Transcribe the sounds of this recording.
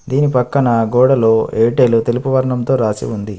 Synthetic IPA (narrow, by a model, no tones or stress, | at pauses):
d̪iːnipɐkːɐnɐɡɔːɽɐlo̞ːeːʈeːlut̪elupuʋɐɾɐɳɐmt̪o̞ːɾaːsḭund̪i